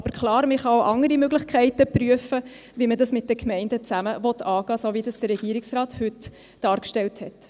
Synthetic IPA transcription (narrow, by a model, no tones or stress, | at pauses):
ɑbəɾkʰlɑːɾməχɑwʔɑŋəɾimøɡlɪχkχæɪtəpɾyəfə | vimədɑsmɪt̚d̥əkʰmɛɪndət͡sæməvɔt̪ʰːɑːɡ̥ɑːsovidɑsd̥əɾːɛɡ̥iːəɾɪksrɑːthʉt | d̥ɑːɾkʃtɛlthɛt